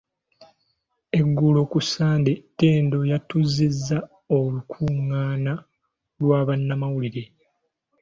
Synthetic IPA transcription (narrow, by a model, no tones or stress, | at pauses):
e̞ɡːulo̞kusaːndetːe̞ːndo̞jatuzizːa | olukʰuŋːaːna | lwaːβanːamawuliɾe̞